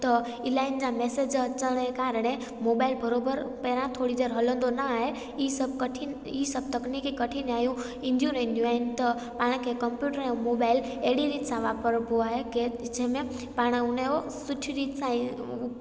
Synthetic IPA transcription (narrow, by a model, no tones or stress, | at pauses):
t̪ɐ | ɪlaːɪnd͡ʑãmeːsed͡ʑɐt͡ɕəɽ̃ekaːɾəɽ̃e | moːbaːɪlbɐɾoːbəɾpɛːɾãt̪ʰoːɽid̪eːɾɦɐlə̃nd̪onəaːɦe | sɐb̚kəʈʰi | isɐb̚t̪ɐknikikɐʈʰinaːjũ | ɪ̃nd̪ʱjũnɐĩn̆d̪jũaːɦɪnɪ̆t̪ɐ | paːɽ̃kʰekɐmpjuːʈəɾɛ̃moːbaːɪl | eɦɽiɾiːt̪sãʋaːpəɾbʱoaːɦeked͡ʑẽɦmẽ | paːɽ̃ʊneo | sʊʈʰiɾiːt̪sã